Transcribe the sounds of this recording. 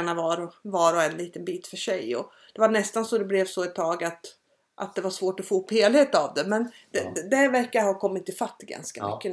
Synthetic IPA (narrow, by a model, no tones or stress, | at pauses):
ɳavɑːɾɔvɑːɾɔɛnliːt̪ənbiːt̪fœʂɛjɔ̰ | d̪̥ɛvaɳɛst̪ansɔd̪ɛblɛvsɔɛt̪ʰːɑːɡat̪ | ʔa̰t̪̚d̪ɛvaʂvoːʈɔfoːɵpːheːlheːt̪avd̪ɛmɛnd̪̥ɛd̪ævæɾkajahɑːkʰɔmːɪt̪ːɪfat̪ːɡa̰nska̰mʏ̰kːə